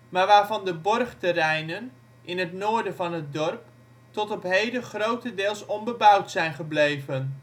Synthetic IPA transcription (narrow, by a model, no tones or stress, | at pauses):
maːɹʋaːɹvɑndəbɔrχtərɛjnən | ʔɪnɦətnoːɹdənvɑnɦət̚dɔrp | tɔtɔpɦejdəχrowtədɪːlˠsɔmbəbʌwtsɛjnχəblejvən